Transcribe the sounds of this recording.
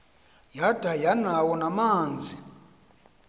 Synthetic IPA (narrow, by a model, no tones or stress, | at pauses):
jad̥ʱajanawɔnamaːnd͡zʱi